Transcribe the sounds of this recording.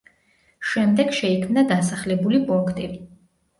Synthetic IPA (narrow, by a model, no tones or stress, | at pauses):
ʃɛmd̪ɛɡʃɛikʰmnad̪asaχlɛbulipʼuŋkʰt̪ʼili